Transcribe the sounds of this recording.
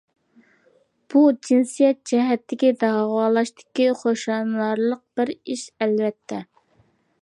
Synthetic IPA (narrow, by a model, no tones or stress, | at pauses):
b̥ud͡ʒinsijɛt̪̚d͡ʒɛɦɛt̪ʰːɪkʲid̪ɑʁɑːlˠɑʃt̪ɪ̥kʲiχoʃɑnɑɾlˠəq̚b̥ɪɾiʃɛlvɛt̪ʰːɛ